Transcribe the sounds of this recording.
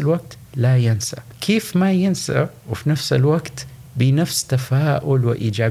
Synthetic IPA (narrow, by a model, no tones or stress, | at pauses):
lwaɡ̚t̪ | lajɪnsa̰ | kʰeːfmajɪnsa̰ | wɪfinafsɪlwaɡt̪ | bɪnafst̪afaːʔʊlwɪʔiːd͡ʒaː